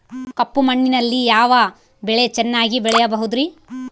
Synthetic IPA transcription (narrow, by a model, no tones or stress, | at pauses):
kɐpːumɐɳːinɐlːijaːʋɐ | bɛɭe̞t͡ʃɛnːaːɡibɛɭɛjɐbɐɦud̪ɾi